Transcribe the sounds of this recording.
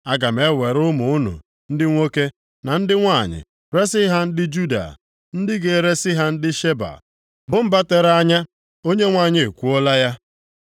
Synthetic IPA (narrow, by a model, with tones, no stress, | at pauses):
a˦ɡa˨m̩˨e˨˦we˨ɾʊ˦mʊ˨ʊ˦nṵ˨ | n̩˦dɪ˦ŋʷo˦ke˦ | na˨n̩˦dɪ˦ŋʷa˦˨ɲɪ̰˨ | ɾe˦sɪ˦ɦa˦n̩˦dɪ˦d͡ʒu˦da̰˨ | n̩˦dɪ˦ɡe˨ɾe˦sɪ˦ɦa˦n̩˦dɪ˦ʃe˦ba̰˨ | bʊ˨m̩˦ba˦te˨ɾa˦ɲa˦ | o˦ɲe˦ŋʷa˦˨ɲe˨e˨kʷu˦ɔ˦la˦ja˦